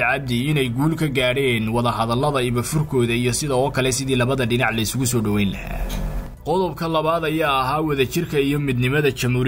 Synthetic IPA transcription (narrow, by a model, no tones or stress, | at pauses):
ʕɑb̚d̪ɪɪnɛjɡuːlkʰɐɡaːɽɛːnwɑðɐɦɐðɐlːɐðɐɪβɐfʊrkʰɔːðɐijɔsɪðɐːkʰɐlɛsɪðiːlɐβɐðɐɖɪnɑʕlɐɪsʊɣʊsɔːɖɐwɛjnlɐhæ̰ː | qɔðɔbkʰɐlɐβaːd̪ɐjaːɐɦaːwɐðɐt͡ʃɪrkʰɐijɔmɪd̪nɪmɐðɐt͡ʃɐmhuːɾ